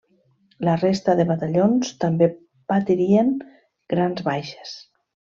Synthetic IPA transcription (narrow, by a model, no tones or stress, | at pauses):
lərest̪əðeβat̪aʎonst̪ambe | pat̪iɾieŋ | ɡ̥ɾanzβajʃe̥s